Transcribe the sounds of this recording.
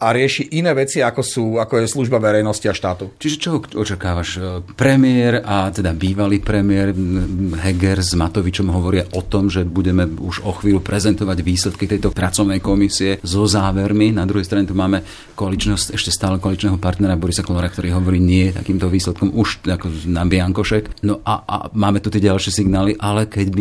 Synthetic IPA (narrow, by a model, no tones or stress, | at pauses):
aɾɪɛʃiʔinɛːʋɛt͡siakɔsuːakɔjɛsluʒbaʋɛɾɛjnɔsciaʃt̪aːt̪ut͡ʃiʒɛt͡ʃɔɔt͡ʃakaːʋaʃpɾɛmɪɛɾat̪ɛd̪abiːʋaliːpɾɛmɪɛɾɦɛɡɛɾzmat̪ɔʋit͡ʃɔmɦɔʋɔɾɪaʔɔt̪ɔmʒɛbuɟɛmɛuʒɔxʋiːlupɾɛzɛnt̪ɔʋaɟʋiːslɛt̪kit̪ɛjt̪ɔt̪ɾat͡sɔʊnɛjkɔmisiɛzɔzaːʋɛɾminad̪ɾuɦɛjst̪ɾaɲɛt̪umaːmɛ | kɔalit͡ʃnɛɦɔsɛʃcɛst̪aːlɛkɔalit͡ʃnɛːɦɔpaɾt̪nɛɾabɔɾisakɔlɔɾak̚t̪ɔɾiːɦɔʋɔɾiːɲɪɛjɛt̪a̰kiːmt̪ɔʋiːslɛt̪̚kɔmuʃakɔnabɪaŋkɔʃɛknɔʔa̰a̰maːmɛt̪ut̪ɪɛɟalʃɪɛsiɡnaːliʔalɛkɛɟbi